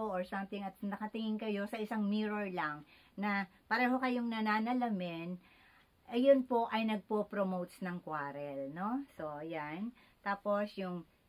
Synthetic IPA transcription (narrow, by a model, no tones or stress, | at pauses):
oʔoɹsɐmt̪ɪŋɐt̪̚nɐkɐt̪ɪŋɪŋkɐjo̞sɐʔɪsaŋmiːɹoɹlɐŋ | nɐpɐɾɛːɦo̞kɐjoŋnɐnaːnɐlɐmɪn | ʔjonpo̞ʔɐjnɐɡ̚popɾomowt̪snɐŋkwaːɾɛlno̞so̞jan | t̪aːpo̞sjʊŋ